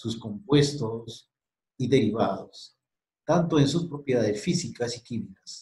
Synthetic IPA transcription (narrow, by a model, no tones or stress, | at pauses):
susko̞mpwe̞st̪os | iðeɾiβaðos | t̪ant̪o̞e̞nsuspɾo̞pje̞ðaðesfisikasikimikḁs